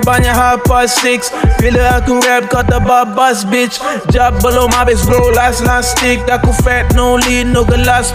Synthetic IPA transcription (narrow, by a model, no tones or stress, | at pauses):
baɲaɦapastiksfiləatuɾɛb̚kɔt̚d̪əbabasbit͡ʃ | d͡ʒab̚bəlomabesɡlolaslastik̚dakufɛt̚nolinoɡəlas